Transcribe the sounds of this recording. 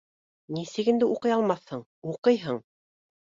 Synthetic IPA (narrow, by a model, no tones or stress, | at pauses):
nisɘkind̪ɘʔuqɤ̆jɑlˠmɑθhɤɴ | uqɤjɦɤɴ